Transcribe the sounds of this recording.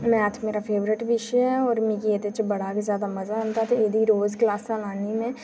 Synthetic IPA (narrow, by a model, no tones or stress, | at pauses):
mɛ̃aːt̪ʰmeːɾafʰeːʋɾɪʈbɪʃɛɔːɾmĩːkieːd̪et͡ʃbɐɽ̤akezjaːd̪amɐzaənt̪at̪eeːd̪iɾoːzklaːsalaːnimẽ